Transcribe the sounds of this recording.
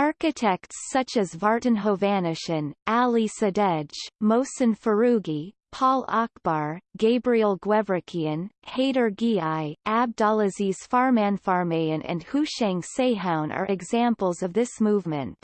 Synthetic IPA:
ɑɹkɨtʰɛk̚tsʌt͡ʃɨzvɑɹʔn̩ɦoʊvænɨʃɨ̃nʔælˠisɨdɛ̥d͡ʒmoʊsɨ̃nfə˞ʉɡi | pʰɔlˠɑk̚b̥ɑɹɡeɪbɹil̩ˠɡwɛvɹɨkʰiɨ̃nheɪɾə˞ɡiaɪʔæb̚dɑlˠɨziz̥fɑɹmæ̃nfɑɹmeɪɨ̃nʔɨ̰̃nhʉʃɛ̃ŋseɪɦãʊ̃nʔə̰˞ʔɨɡzæ̃mpl̩ˠzʌvðɪsmuvmɨ̰̃nt

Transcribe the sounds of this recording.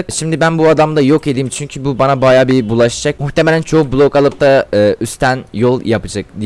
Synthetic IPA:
ʃimd̪ibænbuad̪amd̪ajo̞ke̞d̪imt͡ʃʰyɲcʰybubanabajaːbibulˠaʃad͡ʒakmuçt̪emelʲænt͡ʃʰo̞ukblˠokalˠɯp̚t̪ʰaɯːʔyst̪ʰænjo̞lˠjapɯd͡ʒakd̪i

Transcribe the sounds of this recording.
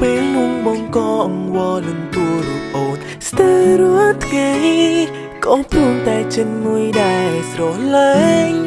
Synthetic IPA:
peːlnuəŋɓɑŋkɑːʔɑmʋɑːlɨŋt̪uəɾuəp̚ʔoːn | st̪əːɾuət̪ʰŋaj | kopruːmt̪aɛt͡ɕɨnmuəjɗaɛlsrɔhləːŋ

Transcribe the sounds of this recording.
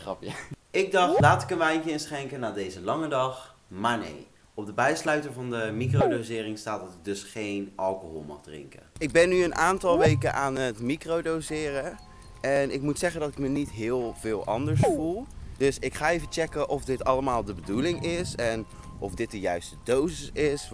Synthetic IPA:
χrɑpjaɪɡ̚dɑχtlaːtɪ̥kənʋɛjŋkəɪnsχɛŋkənaːdejzəlɑŋədɑχ | maːnḛj | ɔb̚dəbɛjslœɥtəɹvɑndəmikrowdozɪːrɪŋstaːtdɑtɪk̚dɵsχejnʔɑlˠkoɦɔ̰lˠmɑ̰χdrɪ̰ŋkə̰ɪɡ̚bɛnːyənʔaːntɑlˠʋejkənʔaːnətmikrowdowzɪːrə | ɛnɪkmutsɛχəndɑtɪ̥kmənitɦɪːlˠvɪːlˠɑndəɹsfulˠd̥ɵsɪkχaːejvət͡ʃɛkənʔɔfdɪtɑləmaːlˠdəbədulɪŋɪsɛn | ʔɔfdɪt̚dəjœɥstədowsəɪs

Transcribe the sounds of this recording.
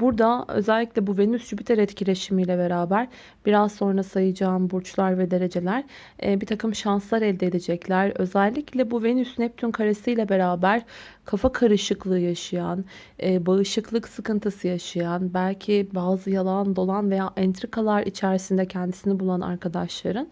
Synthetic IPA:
buɾd̪aø̞̰zɛlʲːiclʲɛbuve̞nysd͡ʒybit̪ʰɛɾɛt̪cʰilʲe̞ʃimijlʲɛbe̞ɾaːbæɾ | b̥iɾazso̞nɾasajɯd͡ʒaːnbuɾt͡ʃlˠaɾvɛd̪e̞ɾe̞d͡ʒe̞lʲæɾ̥ | ɛbit̪ʰakɯmʃanslˠaɾɛlʲd̪ed̪ed͡ʒɛclʲæɾø̞̰zɛlʲːiclʲɛbuve̞nysnɛp̚t̪ʰynkʰaɾesɯjlʲɛbe̞ɾaːbæɾ̥kʰafakʰaɾɯʃɯklˠɯːjaʃɯjan | ɛːbaɯʃɯklˠɯksɯkɯnt̪ʰɯsɯjaʃajanbælʲcʰibaːzɯjalˠand̪o̞lˠanve̞jaːʔɛnt̪ɾikʰalˠaɾit͡ʃʰæɾisind̪ɛcʰɛnd̪isinɛbulˠana̰ɾkʰad̪aʃlˠaɾɯn

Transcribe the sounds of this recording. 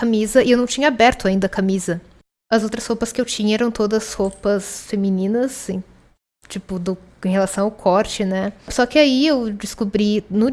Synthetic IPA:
amizɐɪewnɐ̃w̃t͡ʃĩɲɐabɛɾt̪ʊaĩnd̪ɐkamizɐ | ɐzowt̪ɾɐshopɐskɪewt͡ʃĩɲɐɛɾɐ̃w̃t̪od̪ɐshopɐsfemĩnĩnɐsẽ | t͡ʃipʊd̪ʊẽhelasɐ̃w̃aʊwkʰɔɾt͡ʃɪnɛsɔkɪaiewd͡ʒɪskubɾinʊ

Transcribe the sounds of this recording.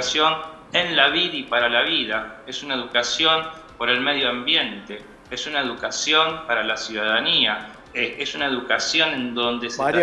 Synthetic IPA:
sjon | enlaβiðipaɾalaβiðaesunae̞ðukasjo̞n | po̞ɾe̞lmeð̞joambje̞nt̪e̞ | esunaeðukasjo̞mpaɾalasjuðaðania | esunaeðukasjo̞nẽ̞nd̪o̞nd̪e̞se

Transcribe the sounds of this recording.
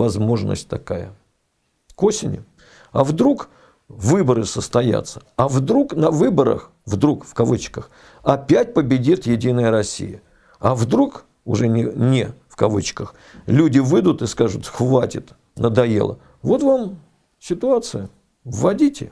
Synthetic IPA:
vɐzmo̞ʐnə̰sʲt̚ʲt̪ɐkajə̰ | kosʲɪnʲɪ̰ | ɐvd̪ɾuk | vɨbəɾɨsəst̪ɐja̰t̪sə̥ɐvd̪ɾuknɐvɨbəɾə̰x | vd̪ɾukfkɐvɨt͡ɕkəx | ɐpʲæt̚ʲpəbʲɪdʲit̪jɪdʲinəjəɾɐsʲːḭjə | ɐvd̪ɾuk | ʊ̰ʐɛnʲɪnʲɪfkɐvɨt͡ɕkəx | lʲudʲɪvɨd̪ʊt̪ɨskaʐʊ̰t̪xvatʲɪt̪ | nəd̪ɐjḛlˠə̰ | vo̞t̪vam | sʲɪt̪ʊat̪sɨjʊ | vːɐdʲitʲɪ̰

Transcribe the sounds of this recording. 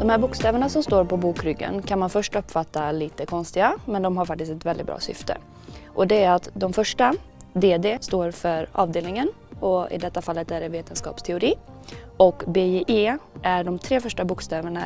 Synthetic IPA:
d̪̥ɔmhæːɾbʊːkst̪ɛːvəɳasɔmst̪oːɾpʰɔbuːkɾʏɡːə̰nkʰanmanfœʂʈɵpːfat̪ːaliːt̪əkʰɔnst̪ɪɡamɛnd̪ɔmɦaɾfak̚t̪ɪst̪ɛt̪vɛld̪ɪt̪bɾɑ̰ːsʏ̰ft̪ə̰ | ʔɔd̪ɛæɾat̪d̪ɔmfœʂʈad̪eːd̪eːst̪oːɾfœɾʔɑ̰ːvd̪eːlnɪŋən | ɔɪ̰d̪ɛt̪ːafalːət̪æɖɛveːt̪ənskɑ̰ːpst̪ʰɛʊɾiː | ɔkbeːeʔeːʔæɖɔmt̪ʰɾeːfœʂʈabuːkst̪ɛːvəɳa

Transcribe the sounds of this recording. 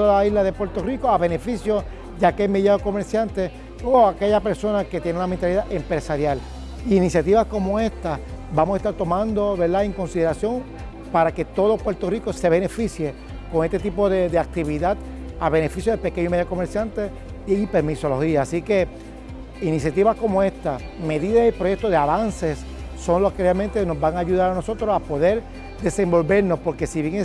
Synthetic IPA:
ðaaizlaðe̞pwe̞ɾt̪o̞rikoaβe̞ne̞fisjo̞s | dakemeðjaoko̞me̞ɾsjãnt̪e | oake̞ʝape̞ɾso̞nake̞t̪je̞neunament̪aliðaʔempɾe̞saɾjal | iːnisjat̪iβasko̞moe̞st̪a | bamosaest̪aɾt̪o̞mãnd̪o̞βe̞ɾðaeŋko̞nsiðeɾasjo̞ŋ | paɾake̞t̪o̞ðopwe̞ɾt̪o̞rikose̞β̞e̞nefisje̞ | ko̞ŋest̪e̞t̪ipo̞ðe̞ðeak̚t̪iβ̞iðat̪ | aβe̞ne̞fisjoðepe̞keɲoimeðjako̞me̞ɾsjant̪e̞ | iaipe̞ɾmiso̞lo̞hiaːsike̞ | inisjat̪iβasko̞moe̞st̪a | me̞ðiðasipɾoje̞k̚t̪oðeaβanse̞sː | o̞ŋlohkerealmẽnt̪e̞no̞zβaŋaːʝuð̞aɾano̞so̞t̪ɾosapo̞ðe̞ɾ | d̪e̞sẽ̞mbo̞lβe̞ɾno̞spo̞ɾke̞siβjeŋ

